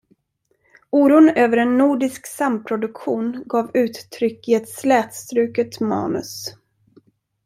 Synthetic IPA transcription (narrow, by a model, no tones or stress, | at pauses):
uːɾuːnøːvəɾɛnːuːɖɪsksampʰɾʊd̪ɵkɧuːnɡɑːvʉ̟ːt̪ʰːɾʏkːɪɛt̪slɛːt̪st̪ɾʉ̟ːkət̪mɑ̰ːnɵ̰s